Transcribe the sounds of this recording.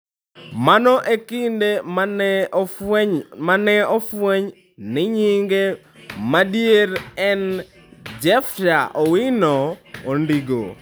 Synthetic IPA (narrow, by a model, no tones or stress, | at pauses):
manɔʔekɪnde | manɛofweɲ | nɪɲiŋɡe | madjeɾɛn | d͡ʒɛftaʔowinɔːndiɡo̰